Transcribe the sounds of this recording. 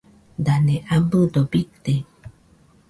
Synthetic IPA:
danẽʔambɯdobit̪e

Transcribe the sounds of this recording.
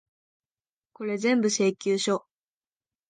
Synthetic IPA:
ko̞ɾe̞zẽ̞mbɯ̟se̞ːkʲɨːɕo̞

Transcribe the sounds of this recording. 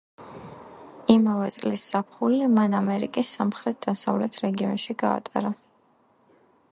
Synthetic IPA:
imavɛt̪sʼlisːapʰχulimanamɛɾikʼisːamχɾɛt̪̚d̪̥asavlɛt̪ʰɾɛɡiɔnʃiɡa̰ːt̪ʼa̰ɾa

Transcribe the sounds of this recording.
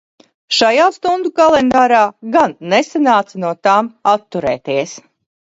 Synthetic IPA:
ʃajaːst̪und̪ukalˠɛnd̪aːɾaːɡanːesanaːt̪sanuɔt̪aːmat̪ːuɾɛ̰ːt̪iɛs

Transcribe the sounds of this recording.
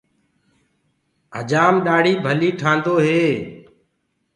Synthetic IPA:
ɦəd͡ʒaːmɗaːɽiːbʱəliːʈʰãːnd̪oːɦeː

